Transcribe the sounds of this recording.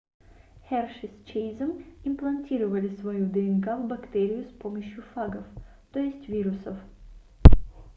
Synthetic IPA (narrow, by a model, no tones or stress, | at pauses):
hʲɛrʂɨsʲt͡ɕejzəmɪmplˠɐnʲtʲiɾɨvəlʲɪsvɐjud̪ɛɛnkavbɐkt̪eɾʲɪjʊspoməɕjʊfaɡəf | t̪ojɪsʲtʲvʲiɾʊsəf